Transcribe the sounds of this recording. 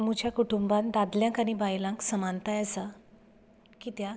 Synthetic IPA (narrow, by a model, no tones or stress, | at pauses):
mũt͡ɕjakuʈumbãnd̪ad̪ljãŋkaɽ̃ibajlãŋksəmant̪ajəsa | kiːt̪ja